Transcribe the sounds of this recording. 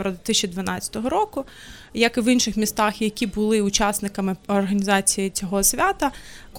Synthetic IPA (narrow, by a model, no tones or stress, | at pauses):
ʋɾɐd̪ʋʲɪt̪ɪsʲt͡ʃʲid̪ʋɐnɑt͡sʲɐ̥t̪ɔɦɔɾɔkʊ | jɐkɪʋinʃɪxmʲist̪ɑxjɐkʲibʊlˠɪʊt͡ʃasnɪkɐmɪɔrɦɐnʲizɑt͡sʲijit͡sʲɔɦɔsʲʋʲat̪ɐk